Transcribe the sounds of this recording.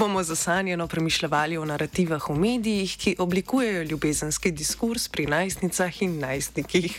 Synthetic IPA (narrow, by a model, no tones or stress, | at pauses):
bomɔzasaːnjɛnɔpɾɛmiʃlɛʋaːliɔnaɾat̪iʋaxumeːd̪ijixkiʔɔblikuːjɛjɔljubeːzənskid̪iskuɾspɾinajsnit̪saxinːajsnikix